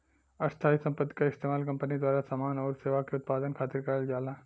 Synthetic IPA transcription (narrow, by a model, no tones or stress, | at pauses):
ɐst̪ʰaːisɐ̃mpət̪ːi̥kaɪst̪eːmaːlkɐ̃mpənid̪waːɾasamaːnɔːɾseːʋakeʊt̪̚paːd̪ənkʰaːt̪ɪɾkɐɾəld͡ʒaːla